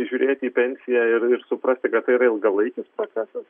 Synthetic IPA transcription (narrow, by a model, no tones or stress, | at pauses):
ʒʲuːɾʲeːt̪ʲiːpʲɛnʲsʲɪjæɪrɪɾsʊpɾɐsʲt̪ʲɪkɐt̪t̪ːɐɪiːɾɐɪlˠɡɐlˠɐɪkʲɪspɾoːt̪sʲæsɐs